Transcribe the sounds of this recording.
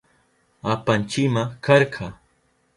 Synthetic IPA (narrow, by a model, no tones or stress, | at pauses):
apant͡ʃɪmakɑɾqʰɑ